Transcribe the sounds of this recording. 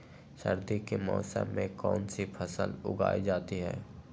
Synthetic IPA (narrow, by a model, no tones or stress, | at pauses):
səɾd̪ikemɔːsə̰mːẽkɔːnsipʰəsəlʊ̰ɡa̰ːid͡ʒaːt̪iɦɛː